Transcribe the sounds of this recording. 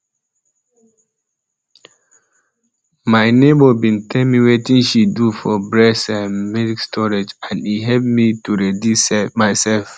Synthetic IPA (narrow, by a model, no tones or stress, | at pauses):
maɪnebɔbĩntʰɛlmiwetĩnʃidufɔbɹɛsãnmɛdikstʰɔɹed͡ʒãniɦɛlp̚mituɹedjusɛmaɪsɛlf